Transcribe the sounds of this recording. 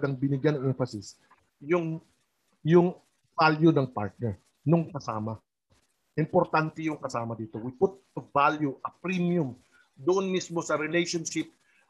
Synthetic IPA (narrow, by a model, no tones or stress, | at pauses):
ɡɐŋbɪnɪɡjanɐŋʔɛɱfɐsɪs | jʊŋ | jʊŋ | valjʊnɐŋpa̰ɹt̪̚nɛɹ | noŋkɐsaːmɐ | ʔɪmpoɾt̪ant̪ɛjʊŋkɐsaːmɐd̪iːt̪o̞wɪput̪̚ | ɐvaljuʔɐpɾimjʊm | d̪ʊʔonmismo̞sɐɾɛlejʃonʃɪp̚